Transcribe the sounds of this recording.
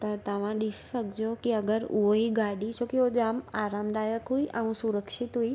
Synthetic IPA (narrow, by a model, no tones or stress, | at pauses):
t̪ɐt̪ɐʋ̤ãɗifsɐɡʱd͡ʑjokiɐɡəɾʊɦoɦiɡaːɽit͡ɕʰokiod͡ʒaːmaːɾaːmd̪aːjəkɦuiʔɛ̃ũsuɾəkʃɪt̪ɦui